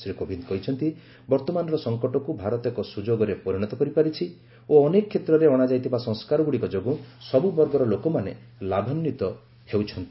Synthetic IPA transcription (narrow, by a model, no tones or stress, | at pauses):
sɾikobʱinkɔɦit͡ʃʰɔnt̪i | bɔɾt̪ɔmanɔɾɔsɔŋkɔʈɔkubʱaɾɔt̪ekɔsud͡ʒoɡɔɾepɔɾiɽ̃ɔt̪ɔkɔɾipaɾit͡ʃʰi | oɔnekɔkʰːet̪ɾɔɾeɔɽ̃ad͡ʒajt̪ʰibasɔ̃ŋskaɾɔɡuɽikɔd͡ʒoɡũsɔbubɔɾɡɔɾɔlokɔmanḛ | labʱanːit̪ɔ | hewt͡ʃʰɔnt̪i̥